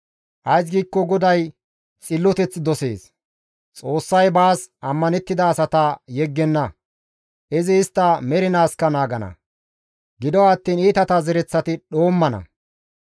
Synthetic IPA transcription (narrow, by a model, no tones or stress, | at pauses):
ʔɐjs̬ɡiːkːɔɡɔd̪ɐj | t͡sʼɪlːɔt̪ɛt͡sːd̪ɔse̞̰ːs | t͡sʼo̞ːsːɐjbaːsɐmːɐnɛt̪ːɪd̪ɐːsɐt̪ɐjɛɡːɛnːɐ | ʔɪzɪːst̪ːɐmɛɾɪnaːskːɐnaːɡɐnɐ̰ | ɡɪd̪ɔwːt̪ːiːniːt̪ɐt̪azɛɾɛt͡sːɐt̪ɪɗo̞ːmːɐnɐ̰